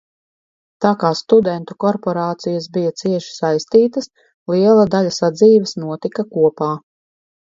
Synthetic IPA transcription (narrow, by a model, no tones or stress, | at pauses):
t̪aːkaːst̪ud̪ɛnt̪ukɔɾpɔɾaːt̪sijɐsbijat̪siɛʃi̥sajst̪iːt̪ɐs | lˠiɛlˠad̪aʎʲasad̪ziːvɛsnuɔt̪ikakuɔpaː